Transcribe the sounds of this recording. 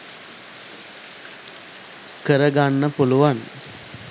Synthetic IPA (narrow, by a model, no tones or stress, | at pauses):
kəɾəɡanːəpuluʋan